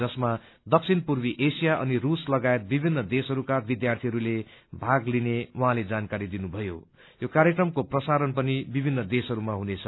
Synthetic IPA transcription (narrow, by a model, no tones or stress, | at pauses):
ʌsma | d̪ʌk̚sʰinpurbiʔesijaʔʌ̰niruslʌɡajet̪̚bibʱinːʌd̪esʌɾukabid̪jart̪ʰiɦʌɾulebʱaɡlinewaɦãled͡zankaɾid̪inubʱʌjo̰ | jokaɾjekrʌmkoprʌsaɾʌnpʌnibibʱinːʌd̪esʌɾumaɦunet͡sʰʌ